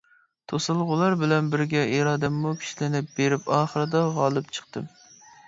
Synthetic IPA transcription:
t̪ʰosɨlˠʁʊlˠɑɾbɪlɛnbɪɾɡʲɛiɾɑːd̪ɛmːukʲʰi̥ʃlɪnɪp̚b̥eɾɪpɑːχəɾɨd̪ɑʁɑlˠɨp̚t͡ʃʰə̥q̚t̪ɨ̰m

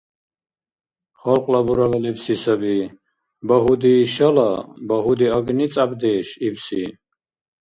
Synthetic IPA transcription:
χɔlqʼlabuɾavalɛpsisabi | baɦud̪iʃalabaɦud̪iaɡnit͡sʼabd̪ɛːʃibsi

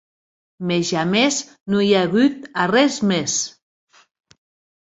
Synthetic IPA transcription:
mezamez | nojaɣut̪arɛzmes

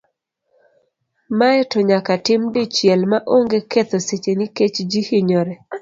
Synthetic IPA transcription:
maɛtɔɲakatɪmdɪt͡ʃjɛlmaʔoŋɡeket̪oset͡ʃenɪket͡ʃd͡ʒihiɲɔɾɛ

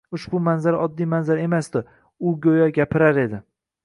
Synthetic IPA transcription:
ʊʃbʊmanzaɾaʔɒd̪ːijmanzaɾe̞masd̪ɪ | ʊɡʲojaɡʲapʰɪɾaɾe̞d̪ɪ

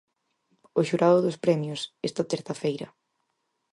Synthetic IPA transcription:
ʊʃuɾaðʊðʊspɾɛmjʊsɛst̪ɐt̪eɾθɐfejɾɐ̰

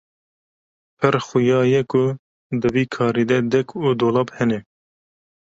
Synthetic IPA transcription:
pʰəɾxujɑːjɛkʊ | d̪əviːkʰɑːɾiːd̪ɛd̪ɛkʰud̪oːlɑːbhɛnɛ

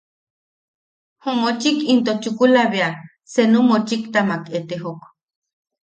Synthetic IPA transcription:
homot͡ʃikint̪ot͡ʃukulaβea | senumot͡ʃikt̪amaket̪eɦok

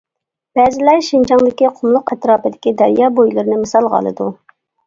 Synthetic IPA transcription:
b̥ɛːzɪlæɾʃind͡ʒɑŋd̪ɪkʲiqʰʊmlˠʊqɛt̪ɾɑːpɨd̪ɪ̥kʲid̪æɾjɑːbojlˠɨɾɨnɪmɨsɑlˠʁɑ̰lˠɨ̰d̪u

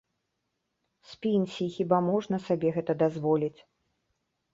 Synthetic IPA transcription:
sʲpʲinʲsʲixʲibamɔʐnɐsabʲɛɣɛt̪ɐd̪azvɔlʲit͡sʲ

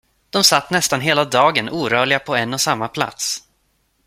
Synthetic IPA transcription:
d̪̥ɔmsat̪ːnɛst̪anɦeːlad̪ɑːɡənuːɾœːɭɪɡapʰɔɛnːɔsamːapʰla̰t̪s

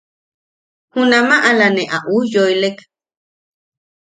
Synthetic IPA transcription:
hunamaʔalaneʔaʔujojlek

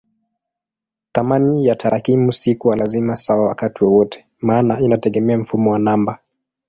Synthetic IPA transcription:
θamanijatʰaɾakimusikuwalazimasawawa̰katiwɔwɔtɛ̥ | maːnainatɛɠɛmɛam̩fumɔwanamba

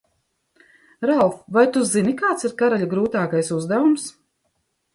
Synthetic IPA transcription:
ɾalfvajt̪uzinikaːt̪siɾkaɾaʎʲaɡɾuːt̪aːkajsuzd̪avums

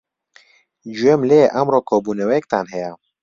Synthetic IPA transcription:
d͡ʒuemleʔɐmroːkʰoːbuːnɛwɛjɛk̚t̪anɦɛjɛ

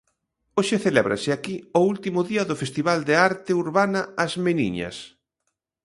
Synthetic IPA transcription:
oʃɪθelɛβɾa̰sɪakioult̪imʊðiɐðʊfest̪iβald̪eaɾt̪euɾβanɐazmenḭɲɐ̰s

